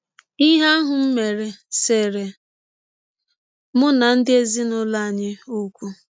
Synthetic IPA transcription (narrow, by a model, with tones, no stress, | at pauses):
i˦ɦa˦a˦ɦʊ˨m̩˦me˨ɾe˨se˨ɾe˨ | mʊ˦na˨n̩˦dɪ˦e˦zi˦nʊ˦la˦a˨ɲɪ˦u˦kʷu˦